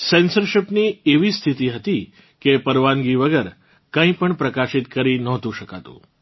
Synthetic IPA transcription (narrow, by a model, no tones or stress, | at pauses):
sɛnsəɾʃɪpnieʋist̪ʰit̪iɦət̪i | kepəɾʋanɡiʋəɡəɾ | kə̃ĩpəɳpɾəkaʃɪt̪kəɾinɔɦt̪ũʃəkat̪ṵ̃